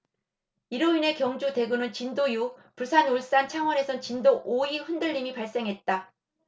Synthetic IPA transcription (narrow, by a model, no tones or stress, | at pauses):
iɾoine̞kjʌŋd͡ʑude̞ɡɯnɯnt͡ɕindojupusʰanuɭs͈ant͡ɕʰaŋwʌne̞sʰʌnt͡ɕindoʔoiɸɯndɯʎːimipaɭs͈e̞ŋɦet̚t͈a